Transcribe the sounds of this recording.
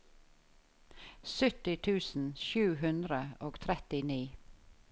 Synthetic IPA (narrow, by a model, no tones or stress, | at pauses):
sʉt̪ɪt̪ʰʉːsn̩ʃʉːɦʉnd̪ɾəoːɡt̪ʰɾɛt̪ɪniː